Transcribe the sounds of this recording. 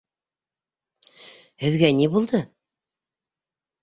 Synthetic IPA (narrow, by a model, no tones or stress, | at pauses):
hɘ̆ðɡænibulˠd̪ɤ